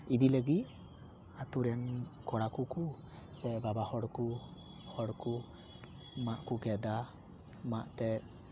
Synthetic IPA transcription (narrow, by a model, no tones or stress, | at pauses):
idiləɡi | atuɾɛnkʰɔɽakuku | sɛbabahɔɽku | hɔɽku | maʔkuɡɛd̪a | maʔtɛ